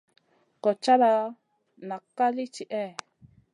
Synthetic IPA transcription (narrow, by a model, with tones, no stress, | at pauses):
ko˨t͡ʃa˦ɾa˧ | nã˨ka˦li˦t͡ʃi˨ʔe˦˨